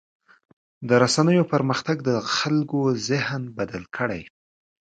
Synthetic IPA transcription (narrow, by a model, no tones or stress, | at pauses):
d̪əɾasanəjopəɾməxt̪aɡd̪əxalkozɪhnbad̪alkʰəɽa̰j